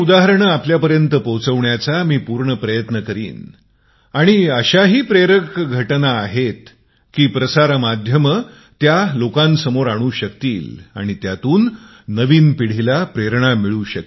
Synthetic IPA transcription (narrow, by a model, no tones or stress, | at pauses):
ud̪aɦəɾɳəapljapəɾjənt̪əpəwt͡səʋɳjat͡samiːpuɾɳəpɾəjət̪nəkəɾḭːn | aɽ̃iəɕaɦiːpɾeɾəkɡʱəʈnaːɦet̪ | kiːpɾəsaɾmad̪ʱjəmə | t̪jalokãnsəmoɾaɽ̃uːɕəkt̪iːla̰ɽ̃it̪jat̪uːnː | əʋiːnpiɽ̤ilapɾeɾɳ̃amiɭuːɕək